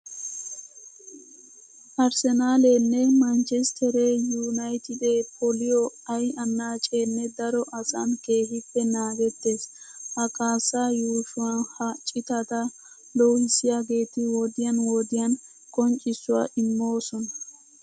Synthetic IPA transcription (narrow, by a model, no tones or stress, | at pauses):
ʔɐɾsɛnaːleːnːɛmɐnt͡ʃɛst̪ʰɛɾeːjuːnɐjt̪ɪd̪eːpʰɔlɪjɔɐjɐnːaːt͡ʃʼeːnːɛd̪ɐɾɔʔɐsʼɐnke̞ːɦɪpːɛnaːɡɛt̪ːe̞ːshɐkʼaːsːaːjuːʃʊwɐnhɐt͡ʃʼɪt̪ɐt̪ɐ | lɔwhɪsːɪjaːɡe̞ːt̪ɪwɔd̪ɪjɐnwɔd̪ɪjɐn | kʼɔnt͡ʃʼɪsːʊwa̰ːʔɪmːo̞ːsɔnɐ